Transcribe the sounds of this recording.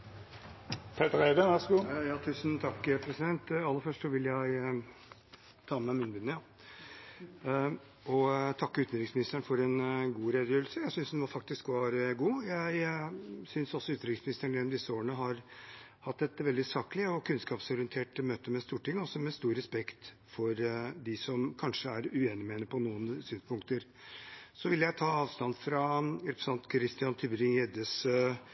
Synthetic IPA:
pʰɛt̪əʁæd̪əʋæsəɡuːjɑːt̪ʰʉːsnt̪ʰɑkːpʰɾɛsɪd̪ɛnt̪ɑlːəfœʂʈsɔʋɪljæɪ | t̪ʰɑːmæmɪnbʉnːəjɑ | ɔt̪ʰɑkːəʉːt̪nɾɪŋsmɪnɪst̪əɳfɔɾɛnɡuːɾeːd̪jøːɾlsəjæɪsʏnsd̪ɛnʋɑfɑk̚t̪ɪskʋɑːɾɡuːjæɪsʏnsɔsːɔʉt̪nɾɪŋsmɪnɪst̪əɳelɔmd̪ɪsːəoːɾəɳəɦɑɾ | hɑt̪ːɛt̪ʋɛld̪ɪsɑːklɪɔkʰʉnskɑːpsɔɾɪənt̪ʰeːʈmøːt̪əmɛst̪uːʈʰɪŋːɔsːɔmɛst̪uːɾːɛspɛkt̪ | fɔɾd̪ɪsɔmkʰɑnʂəæɾʉeːnɪmeːnɪpʰɔnuːənsyːnspʰʊŋkt̪əɾ | sɔʋɪlːjæɪt̪ʰɑːɑːʋst̪ɑnd̪fɾɑɾɛpɾəsɑnt̪kʰɾɪst̪ɪɑnt̪ʰybɾɪŋjɛd̪əs

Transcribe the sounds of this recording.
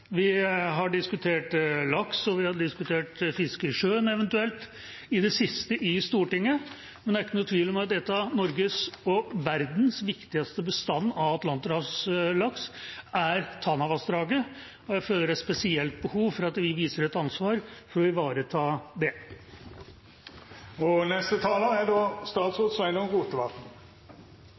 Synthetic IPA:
ʋɪɦɑɖɪskʉt̪ʰeːʈlɑksɔʋɪhɑɖɪskʉt̪ʰeːʈfɪskəʂøːnɛʋɛnt̪ʉɛlt̪ | ɪd̪ɛsɪst̪əʔɪst̪uːʈɪŋːə | mɛnd̪ɛæɾɪkːənʊːt̪ʰʋiːlmɛɑt̪̚d̪ɛt̪ːɑnɔɾɡəsɔʋæɾd̪n̩sʋɪkt̪ɪɡɑst̪əbəst̪ɑnːɑʋɑt̪lɑnt̪əɾɑslɑksæɾt̪ʰɑnɑʋɑsd̪ɾɑːɡə | ɔjæɪføːləɖæspɛsɪɛlt̪̚bəhuːʋfɔɾɑt̪ʋɪʋiːsəɾɛt̪ɑnsʋɑːɾfɔɾɔʋɪʋɑːɾət̪ʰɑːd̪ɛ | ɔnɛst̪ət̪ʰɑːlɑæɖɔst̪ɑːt̪soːd̪sʋæɪnəɔmɡuːt̪əʋɑt̪n̩

